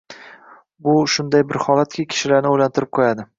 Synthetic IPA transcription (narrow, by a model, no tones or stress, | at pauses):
bʊʃʊnd̪ajbɪɾhɒlat̪̚kʲakʲʰɪ̥ʃɪlaɾnɪojlant̪ʰɪɾɪp̚qʰojad̪ɪ